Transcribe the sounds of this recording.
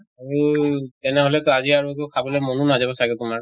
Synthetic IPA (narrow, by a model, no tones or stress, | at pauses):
aɹutɛnɛɦolɛkaziaɹukoʊkʰabɔlɔjmɔnunazabɔsaɡɛtumaɹ